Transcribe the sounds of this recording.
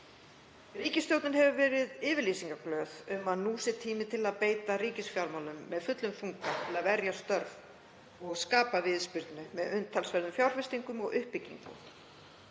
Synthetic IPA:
riːcɪst̪jowt̪nʏnɦɛvʏvɛːɾɪðɪːvɪɾliːsiŋkaklœːðʏmaðnuːsɪt̪ʰiːmɪt̪ʰɪlaðpeːjt̪ariːcɪsfjawɾmawlʏmːɛðfʏt̪lʏmfuŋkat̪ʰɪlaðvɛɾjast̪œɾv | ɔɣskaːpavɪðspɪɾt̪nʏmɛðʏnt̪ʰalsvɛɾðʏmfjawɾ̥fɪst̪iŋkʏmɔɣʏhpːɪcːḭŋkʏ̰m

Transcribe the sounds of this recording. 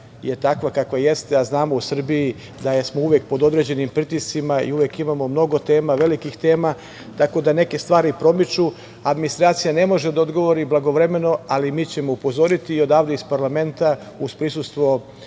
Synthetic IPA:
je̞t̪akʋakakʋaje̞st̪eaznaːmousr̩biji | d̪ajesmouʋjek̚po̞d̪o̞d̪ɾe̞ːd͡ʑe̞nimpɾit̪ist̪simaḭuʋjekimamo̞mno̞ɡo̞t̪e̞ːmaʋe̞likixt̪e̞ːma | t̪ako̞d̪ane̞ke̞st̪ʋaːɾipɾo̞mit͡ʃu | ad̪minist̪ɾaːt̪sijane̞mo̞ʒe̞d̪aod̪ɡo̞ʋo̞ɾiblˠaɡo̞ʋɾe̞me̞no̞alimiːt͡ɕe̞mo̞upo̞zo̞ɾit̪iːo̞d̪aːʋd̪eispaɾlˠame̞nt̪a | uspɾisust̪ʋo̞

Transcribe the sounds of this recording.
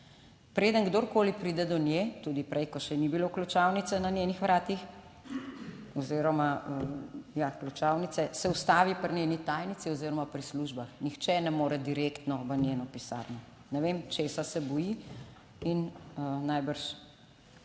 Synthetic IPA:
pɾeːd̪əŋɡd̪oɾkoːlipɾiːd̪ɛd̪ɔnjet̪uːd̪ipɾʔɛjkɔʃɛnibiloklut͡ʃawnit̪sɛnanʲjenixʋɾaːt̪ix | ɔziɾɔmaəjaklut͡ʃaːwnit̪sɛsɛust̪aːʋipəɾnʲjeːnit̪aːjnit̪siɔziːɾɔmapɾisluʒbaxnixt͡ʃɛnɛmoːɾɛd̪iɾekt̪nɔʋənʲjeːnɔpisa̰ɾnɛ | nɛʋemt͡ʃesasɛbɔji | innajbəɾʃ

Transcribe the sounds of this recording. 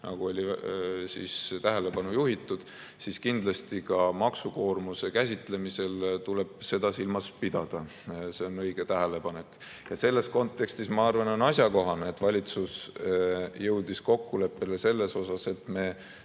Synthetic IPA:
nɑ̰ɡ̥uo̞lʲisḭst̪æɦele̞pɑnujuɦit̪ːˑud̪̥ | siskind̪̥lɑst̪ikɑmɑksuko̞ːrmusekæs̬ʲit̪ˑle̞mise̞lt̪ule̞b̥se̞d̪̥ɑsilmɑspid̪̥ɑd̪̥ɑ | se̞o̞nɤ̞jɡ̥et̪æɦele̞pɑne̞kˑ | jɑse̞lːe̞sko̞nt̪ːe̞kst̪ismɑɑrvɑnonɑsjɑko̞ɦɑneːt̪ːvɑlʲit̪sus | jɤwd̪̥isko̞kːule̞pːe̞lese̞lːe̞so̞sɑse̞t̪ːˑme̞

